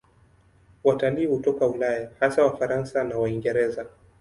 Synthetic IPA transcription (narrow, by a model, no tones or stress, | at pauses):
wataliːhutɔkaulajahasawafaɾansanawaiŋɡɛɾɛza